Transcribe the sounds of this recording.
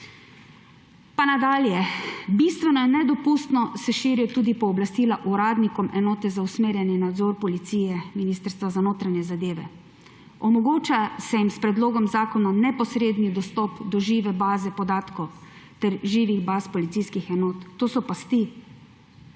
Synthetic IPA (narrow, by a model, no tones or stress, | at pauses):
panad̪aːljɛbist̪ʋɛnɔjɛnːɛd̪ɔpust̪nɔsɛʃiːɾiɔt̪uːd̪ipɔːblast̪iːlaʔuɾaːd̪nikɔmɛnɔːt̪ɛzausmeːɾjanjɛnad̪zɔɾpɔlit̪siːjɛminiːst̪əɾst̪ʋazanoːt̪ɾanjɛzad̪eːʋɛ̰ | ɔmɔɡoːt͡ʃasɛjimspɾɛd̪loːɡɔmzaːkɔnanɛpɔsɾeːd̪nid̪ɔst̪ɔːpd̪ɔʒiːʋɛbaːzɛpɔd̪aːt̪kɔwt̪ɛɾʒiːʋiɣbaːspɔlit̪siskixɛnɔːt̪ːoːsɔpast̪i